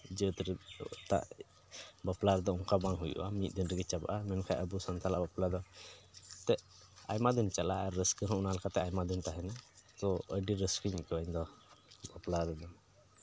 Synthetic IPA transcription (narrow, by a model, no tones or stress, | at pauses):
d͡ʒət̪ɾt̪a̰ʔ | baplaɾɛd̪ɔuŋkabaŋɦujṵʔamit̪̚d̪inɾəɡɛt͡ʃaba̰ʔamɛnkʰajʔəbusant̪alaʔbaplad̪ɔ | t̪ɛʔ | a̰jmad̪int͡ʃala̰ɾːəskəɦɔunalakat̪ɛajmad̪int̪aɦɛnat̪ɔəɖiɾəskəɲikəband̪ɔbaplaɾɛd̪ɔn